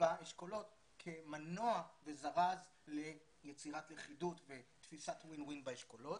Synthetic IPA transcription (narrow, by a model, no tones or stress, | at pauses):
baeʃko̞lo̞t | kʰe̞manoavezaʁaz | le̞ | jet͡siʁatleχidutvet̪fisatwinwinbaeʃkolo̞t